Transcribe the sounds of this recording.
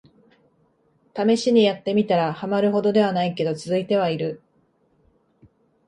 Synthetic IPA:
t̪ame̞ɕiɲ̟ijat̪ːe̞mʲit̪aɾahamaɾɯ̟ɦo̞d̪o̞d̪e̞βanaike̞d̪o̞t͡sɨzɨit̪e̞β̞aiɾɯ̟

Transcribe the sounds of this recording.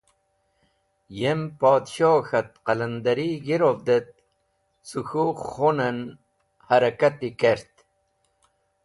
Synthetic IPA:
jempoːd̪ɕoːxat̪̚qaland̪aɾiɡiɾovd̪et̪̚ | suxuχonen | haɾɐkat̪ikeɾt̪

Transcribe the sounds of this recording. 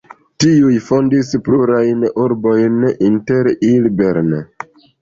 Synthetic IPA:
tiujfo̞ndispluɾajnuɾbo̞jninte̞ɾilbe̞ɾn

